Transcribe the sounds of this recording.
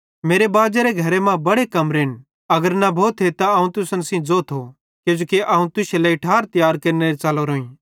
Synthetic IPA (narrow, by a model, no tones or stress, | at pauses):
meːɾebaːd͡ʒeɾeɡʱɐɾemãbɐɽekɐmɾeːn | ɐɡəɾnabʱoːt̪ʰːet̪aɐːũt̪ʊsənsĩd͡zoːt̪ɦo | kjoːd͡ʒoːkiʔɐːũt̪ʊselaɪʈʰaːɾt̪ɐjaːɾkɐːɾneɾet͡ʃaːloɾoːĩ